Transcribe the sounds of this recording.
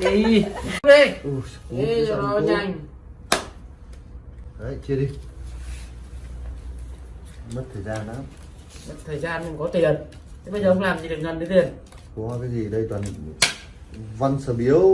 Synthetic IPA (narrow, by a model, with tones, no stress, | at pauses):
ɗe˧ʔu˧˩sku˧˦˧ɲa˧˩jŋ | hə˨˧˩jt͡ɕi˧əɗi˧ | m˦˥t̚t̪ʰəː˨˩jzaː˧nʔaː˨˦m | mə˦˥t̚t̪ʰəː˨˩jzaː˧nkŋ͡mkɔ˨˦t̪i˨˩ən | t̪ʰe˨˦ɓə˧zəː˨˩ʔə˧˦ŋ͡mlaː˨˩mɲi˨˩ɗɨ˨˩k̚ŋɣə˨˩nɗt̪i˨˩ən | kɔ˨˦a˧kaː˨˦zi˨˩ɗə˧jt̪wa˨˩n | va˧nsəː˧˩ɓi˨˦əw